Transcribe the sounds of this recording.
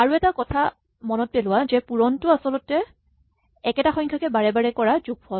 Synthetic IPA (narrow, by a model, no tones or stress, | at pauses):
aɹuɛtakɔtʰa | mɔnɔt̚pelʊwazɛpuɹɔntʊasɔlʊtɛ | ɛkɛtaxɔjŋkʰakɛbaɹɛbaɹɛkɔɹazuɡ̚bɔ